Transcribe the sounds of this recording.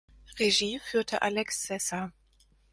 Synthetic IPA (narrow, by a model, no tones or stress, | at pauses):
ʁeʒiːfyːɐtʰəʔalɛksːɛsɐ